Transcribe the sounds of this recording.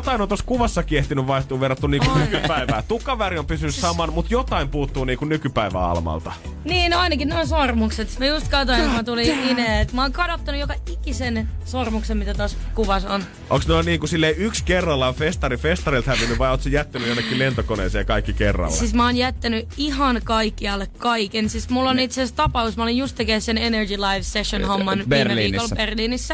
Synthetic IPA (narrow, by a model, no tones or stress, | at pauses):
ot̪ɑinont̪oskuʋɑsːɑkieht̪inyʋʋɑiht̪ˑuːʋerːɑt̪ːuniːŋkunnykyppæiʋæːt̪ukːɑʋæɾiompysynːyssɑmɑnmut̪jot̪ɑimpuːt̪ːuːniːŋkunnykypæiʋæ̰ɑ̰lmɑ̰lt̪ɑ | niːnoɑinɑkinneonsormukset̪mjust̪kɑt̪oiŋkumæt̪uliineet̪mæoːŋkɑdot̪ːɑnujokɑikisensormuksemmit̪æt̪os | kuʋɑson | ʔo̰ksnoinniːŋkusilːeiykskerːɑlːɑfest̪ɑrifest̪ɑɾilt̪hæʋinːyʋʋɑjoːt̪sejæt̪ːænyjonːekːilent̪okonḛːseːjɑkɑikːikerːɑ̰lːsismæoːnjæt̪ːænyihɑnkɑikːiɑlːekkɑikensismulːonit̪sest̪ɑpɑusmɑolenjust̪ːekessenenerɡilɑiʋseʃjonhomːɑnʋiːmeʋiːkolberliːnisːæ